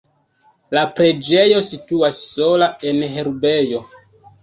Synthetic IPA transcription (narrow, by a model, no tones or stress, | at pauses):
lapɾe̞d͡ʒejo̞situasːo̞lae̞nɦe̞ɾbejo̞